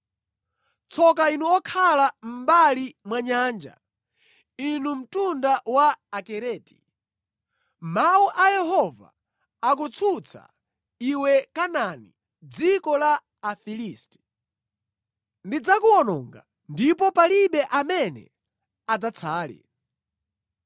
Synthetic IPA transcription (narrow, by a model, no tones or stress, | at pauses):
t͡sʰɔkainuɔkʰalam̩balimwaɲand͡ʒa̰ | inum̩tundawaːkɛɾɛːti̥ | mauʔajɛɦɔva̰ | ak̬ut͡sʰut͡sʰa̰ | iwɛkanani | d͡zikɔlaː | filiːstɛ̥ | ndid͡zakuɔnɔːŋɡa̰ | ndipɔpaliɓɛʔamɛnɛ̰ | ad͡zat͡sʰaːlḭ